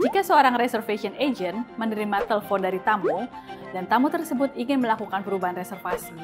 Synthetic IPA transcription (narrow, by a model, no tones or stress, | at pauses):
d͡ʒikasəoɾaŋresɛrfesiɔned͡ʒɛnmənəɾimat̪ɛləfɔndaɾit̪amo | dant̪amut̪ərsəbʊt̪̚iŋɪnməlakukanpəɾubaɦanresɛrfasi